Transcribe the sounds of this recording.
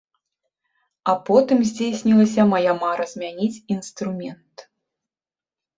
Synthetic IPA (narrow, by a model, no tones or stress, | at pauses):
apɔt̪ɨmzʲd͡zʲesʲnʲilˠɐsʲɐmɐjamaɾɐzʲmʲanʲit͡sʲinst̪ɾumʲɛnt̪